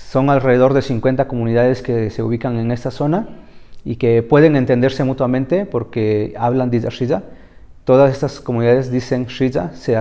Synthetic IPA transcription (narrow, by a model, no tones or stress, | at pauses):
so̞ŋalre̞ðeðo̞ɾðe̞siŋkwe̞nt̪ako̞mũniðaðe̞ske̞se̞uβikaŋe̞ne̞st̪aso̞naike̞pwe̞ðe̞ŋe̞nt̪e̞nd̪eɾse̞mut̪wamẽnt̪e̞po̞ɾkeaβland̪iza̰ʃiza | t̪o̞ðase̞st̪asko̞muniðaðe̞zd̪ise̞ŋʃiza̰se